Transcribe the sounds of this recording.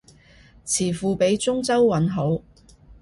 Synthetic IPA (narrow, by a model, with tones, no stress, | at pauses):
t͡sʰiː˨˩fuː˨pe˨˧˥jt͡sʊ˥ŋt͡sɐ˥wːɐ˨˥nɦo˨˥w